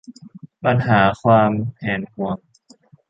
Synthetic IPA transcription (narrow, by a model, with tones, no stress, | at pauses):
pa˧nɦaː˩˦kʰwaː˧mɛː˩˦nhu˧əŋ